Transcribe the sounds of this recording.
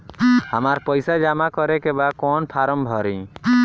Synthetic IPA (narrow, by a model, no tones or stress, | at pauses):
həmaɾpəjsad͡ʒamakɔɾekebakɔnpʰaɾəmbʱɔɾḭ̃